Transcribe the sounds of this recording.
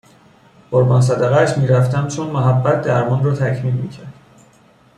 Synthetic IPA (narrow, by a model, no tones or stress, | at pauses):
ɢ̥oɾbɒːns̬æd̪æɣææʃmiːɾæft̪æmt͡ʃʰonmoɦæbːæt̪̚ʰd̪æɾmɒnrɒːt̪ʰæcʰmiːlmiːcʰæɾd̪̥